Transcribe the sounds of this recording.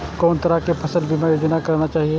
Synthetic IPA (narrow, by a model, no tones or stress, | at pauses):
kɔːnt̪ɐɾakepʰɐsəlbʱimajoːd͡ʒnakɐɾnat͡ʃaːɦie